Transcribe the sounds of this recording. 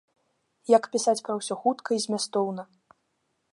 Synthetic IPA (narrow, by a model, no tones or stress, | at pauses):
jɐkpʲisat͡sʲpɾɐwsʲɔxut̪kʰɐizʲmʲast̪ɔwnɐ